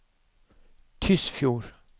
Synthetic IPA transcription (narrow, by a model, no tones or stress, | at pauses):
t̪ʰʏsfjuːɾ